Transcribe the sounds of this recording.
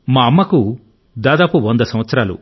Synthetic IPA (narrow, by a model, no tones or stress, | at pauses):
maːɐmːɐku | d̪aːd̪aːpuond̪ɐsɐmʋɐt̪sɐɾaːlṵ